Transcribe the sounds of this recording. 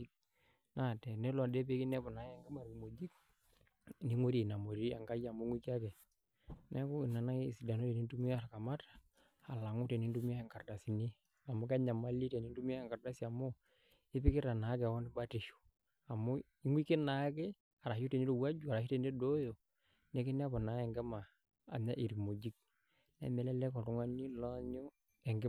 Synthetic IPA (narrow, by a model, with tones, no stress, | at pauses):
i˦k | na˨tɛ˨nɛ˦la˨dɛ˦pe˦ki˦nɛ˦pɔ˨na˨˦jɛ˨ŋɡa˦ma˨ɾi˨mo˨d͡ʒi˦k | ni˨˦ŋo˦ɾi˨na˨mo˨ɾi˦a˨ŋɡa˦ja˨m˦ŋwi˦ki˦a˦kɛ˨ | nɛ˦ku˦i˨na˨na˦˨si˨da˨no˦tɛ˨ni˦ntu˦mi˦a˦˨ɾa˨ka˨ma˦tḁː˨ | la˨ŋu˦tɛ˨ni˦n˦du˦mi˦a˦ɛ˨ŋɡa˨ɾda˨si˨ni˦ | a˨mo˦kɛ˦ɲa˨ma˦li˦tɛ˨ni˦n˦du˦m˦a˦ɛ˨ŋɡa˨da˦si˨a˨mɔ˦ | ɪ˦pɪ˦kɪ˦ɾa˨na˨˦kɛ˨wɔ˦ni˦ba˦ti˨ʃu̥˨ | a˨mɔ˦ | i˦ŋɡwi˦ke˦na˨˦kɛ˦ | a˨ɾa˨ʃu˦te˨ɲi˦ɾo˨wa˦d͡ʒu˦a˨ɾa˨ʃi˦te˨ndɛ˦do˦jo˨ | nɛ˨˦ki˦nɛ˦a˦pɔ˨na˨˦ɛ˨ŋɡɛ˦ma˨ | a̰˨ɲa˦ʔi˨ɾi˨mo˨d͡ʒi˦k̚ | nɛ̰˦mɛ˨lɛ˦lɛ˦kɔ˨tu˦ŋa˦ni˦lɔ˦ɲɔ˦ | ɛ˨ŋɡɛ˦